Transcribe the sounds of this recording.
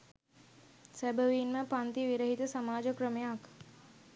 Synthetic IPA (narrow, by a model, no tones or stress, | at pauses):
sæbəʋiːnməpant̪iʋiɾəɦit̪əsamaːd͡ʒəkɾəmejak